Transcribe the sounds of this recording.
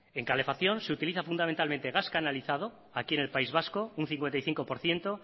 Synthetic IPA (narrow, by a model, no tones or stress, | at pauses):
e̞ŋkale̞faθjõ̞nseut̪iliθafund̪ament̪alme̞nt̪eɣaskanaliθað̞o̞ | akie̞ne̞lpaizβ̞asko̞un̟θiŋkwe̞nt̪ajθiŋko̞po̞ɾθje̞nt̪o